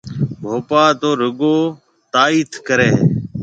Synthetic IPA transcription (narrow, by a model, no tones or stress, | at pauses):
bʱoːpaːt̪oːɾʊɠoː | t̪aːiːt̪ʰkəɾeː